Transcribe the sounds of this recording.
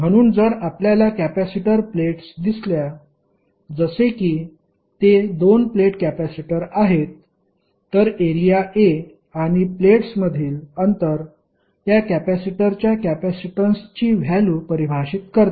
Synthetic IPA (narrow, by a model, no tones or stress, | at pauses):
m̤əɽ̃uːnd͡zəɾapljalakæpæsiʈəɾpleʈsd̪islja | d͡zəsekiː | t̪ed̪onpleʈkæpæsiʈəɾaɦet̪ː | əɾeɾijaʔe | aɽ̃ipleʈsməd̪ʱiːlənt̪əɾ | t̪jakæpæsiʈəɾt͡ɕjakæpæsiʈənst͡ɕiːʋ̤ʱjaluːpəɾibʱaɕit̪̚kəɾt̪